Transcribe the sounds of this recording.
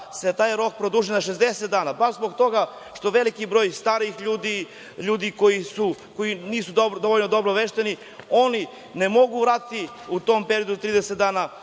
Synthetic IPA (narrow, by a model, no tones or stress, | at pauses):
set̪aːjɾo̞k̚pɾod̪uːʒinaʃezd̪eset̪̚d̪aːnabaʃzbo̞ɡt̪o̞ɡa | ʃt̪o̞ʋe̞likibɾo̞ːjst̪aːɾixʎuːd̪i | ʎuːd̪iko̞jisuko̞iniːsud̪od̪o̞ʋoʎnod̪o̞bɾoʋeʃt̪eni | o̞ni | nemo̞ɡuʋɾaːt̪it̪i | ut̪o̞mpe̞ɾijo̞d̪ut̪ɾiːd̪eset̪d̪aːna